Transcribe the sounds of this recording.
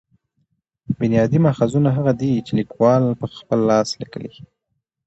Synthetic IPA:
bɪnjɑd̪imaxazunaɦaɣad̪it͡ʃelikwɑlpəxpəlːɑslikə̰lḭ

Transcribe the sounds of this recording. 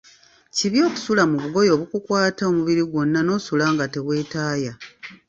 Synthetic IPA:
ciβjo̞ːku̥sulamuβuɡo̞jo̞ːβukukwaːtao̞muβiɾiɡwo̞nːano̞ːsulaːŋɡate̞βwe̞ːtaːja

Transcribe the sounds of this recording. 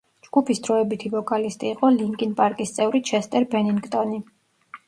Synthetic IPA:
d͡ʒɡ̥upʰisd̪ɾɔɛbit̪ʰivɔkʼalist̪ʼiːqʼɔliŋkʼinpʼaɾkʼist̪sʼɛvɾit͡ʃʰɛst̪ʼɛɾbɛniŋɡt̪ʼɔni

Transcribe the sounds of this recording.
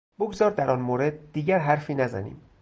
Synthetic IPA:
b̥oɡzɒːɾd̪æɾʔɒnmoːɾe̞d̪̚ːiːɟæɾɦæɾfiːnæzæ̰nḭːm

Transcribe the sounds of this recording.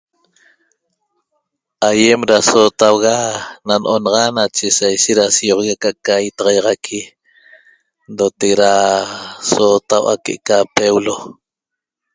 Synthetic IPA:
ʔajemɾasot̪awɣananʔonɑʁɑnat͡ʃesajʃeʔ̪ɾasijoʁɣakaʔkajt̪ɑʁɑjɑʁɑkʰi | ndot̪ekɾa | sot̪awʔa̰keʔkapewlo

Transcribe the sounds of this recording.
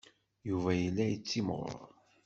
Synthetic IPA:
juvæjəlːæjət͡sːimʁʊ̰

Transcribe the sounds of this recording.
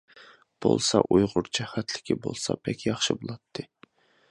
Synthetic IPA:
b̥o̰lˠsɑʔujʁʊɾt͡ʃʰɛχæt̪ʰlɪ̥kʲʰibolˠsɑ̰pʰɛkʲjɑχʃɨbolˠɑt̪ʰːɨ

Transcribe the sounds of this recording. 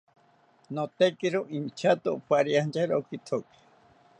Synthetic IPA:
not̪ekiɾoʔint͡ʃʰat̪opaɾiant͡ʃaɾokit̪ʰoki̥

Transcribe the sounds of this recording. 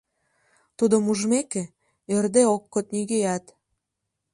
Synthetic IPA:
t̪ud̪ŏmuʒmeke | ørd̪eokːot̪̚niɣejæt̪

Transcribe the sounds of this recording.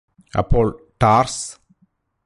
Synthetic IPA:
ɐ̰pːoːɭʈaːrs

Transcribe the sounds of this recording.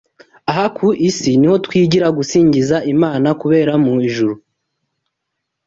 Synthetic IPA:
aɦakʰuʔisiniho̞twiːɟiɾaɡusiːɲɟizaʔimaːnakuβe̞ːɾamuiʒuɾu

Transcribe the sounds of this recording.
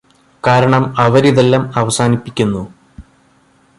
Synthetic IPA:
kaːɾɐɳɐmɐʋɐɾiðelːɐmɐʋɐsaːnipːikʲːunːu

